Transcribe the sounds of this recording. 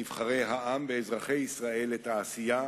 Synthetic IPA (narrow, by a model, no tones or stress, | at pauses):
ivχaʁe̞jɦaʔamveːzʁaχe̞jisʁae̞lːet̪aːsija